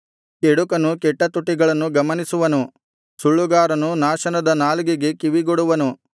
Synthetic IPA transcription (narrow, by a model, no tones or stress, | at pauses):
keɽukɐnukɛʈːɐt̪uʈːiɡɐɭɐnːuɡɐmɐnisuʋɐnu | suɭːuɡaːɾɐnunaːʃɐnɐd̪ɐnaːlɡiɡe̞kiʋiɡoɽuʋɐnu